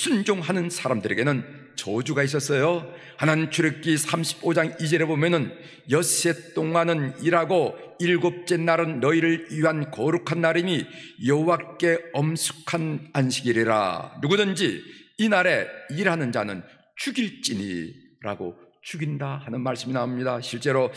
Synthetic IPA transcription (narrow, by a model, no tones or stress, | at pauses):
sʰund͡ʑoŋɦanɯnsʰaɾamdɯɾe̞ɡe̞nɯn | t͡ɕʌd͡ʑuɡais̬͈ʌs͈ʌjo | hanant͡ɕʰuɾek͈isʰamɕʰi̥bod͡ʑaŋid͡ʑʌɾebomjʌnɯn | jʌs͈e̞t͈oŋanɯniɾɦaɡo | iɭɡop̚t͡ɕ͈e̞nːaɾɯnːʌiɾɯɭiɦankʌɾukʰanːaɾiɲijʌɦowak͈e̞ʌmsʰu̥kʰananɕʰiɡiɾiɾa̰nuɡudɯnd͡ʑiːnaɾe̞iɾɦanɯnd͡ʑanɯn | t͡ɕuɡiɭt͡ɕ͈iɲḭ | ɾa̰ɡo | t͡ɕuɡindahanɯnmaɭs͈ɯminaɦomɲidaɕʰiɭt͡ɕ͈e̞ɾo